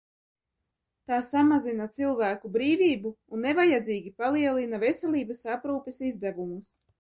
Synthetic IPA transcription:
t̪aːsamazinat̪silˠvæːkubɾiːviːbuːnːevajad̪ziːɡʲipalˠiɛlˠinavesɛlʲiːbasapɾuːpesizd̪ævumus

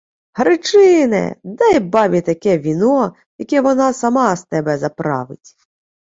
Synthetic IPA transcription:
ɦɾɪt͡ʂɪnɛ̰d̪ɛjbɑbʲit̪ɐkʲɛʋʲinɔ | jɐkʲɛʋɔnɑsɐmɑst̪ɛbɛzɐpɾɑ̰ʋɪ̰tʲ

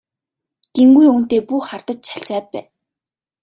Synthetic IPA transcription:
ɡ̥emɡujuːn̥t̪eːpuːχart̪ə̆t̪t͡ɕʰḁɬt͡ɕaːt̪̚pæ̰ːn

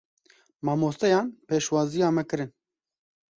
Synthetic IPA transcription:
mɑːmoːst̪ɛjɑːnpeːʃwɑːzijɑːmɛkɨɾɨn

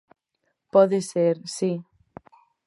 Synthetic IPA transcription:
pɔðeseɾsi

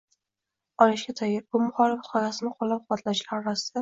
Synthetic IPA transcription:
ɒlɪʃɡʲat̪ʰajɪɾbʊmʊχɒlɪfqʰɒjasɪnɪqʰɒlːap̚qʊwat̪ʰlaʃlaɾɒɾasɪd̪̥a

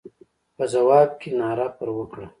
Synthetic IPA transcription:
pəzawɑːb̚kenɑːɾapəɾwəkɽa

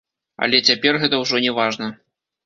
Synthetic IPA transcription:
ɐ̰lʲɛt͡sʲapʲɛrɣɛt̪ɐwʐɔnʲɛvaʐnɐ

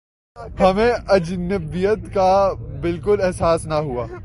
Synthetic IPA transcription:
hɐmẽʔɐd͡ʒnəbbijət̪kabɪlkʊlɛɦsaːsnaɦua̰ː

